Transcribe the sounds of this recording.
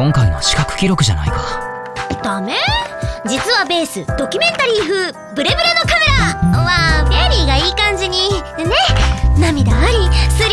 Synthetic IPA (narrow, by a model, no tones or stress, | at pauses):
kõ̞ŋkaiβa̰ɕi̥kakɯ̟̥kʲiɾo̞kɯ̟ʑa̰na̰ikakḁ | t̪ame̞d͡ʑit͡sɨβabe̞ːsɨd̪̥o̞kʲymẽ̞nt̪aɾʲiːɸɯ̟ | bɯ̟ɾe̞bɯ̟ɾe̞no̞kame̞ɾaβabʲeaɾʲiːɡaiːkãɲ̟d͡ʑiɲ̟ine̞namʲid̪aaɾʲisɨɾʲ